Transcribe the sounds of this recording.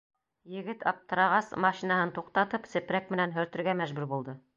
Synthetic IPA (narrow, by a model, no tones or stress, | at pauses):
jɘ̆ɡɘt̪ɑp̚t̪ɤ̆ɾɑʁɑsmɑʃinɑhɤnt̪uqt̪ɑt̪ɤpsɘ̆pɾækmɘ̆nænɦɵ̆ɾt̪ɵ̆ɾɡæmæʒbʉɾbulˠd̪ɤ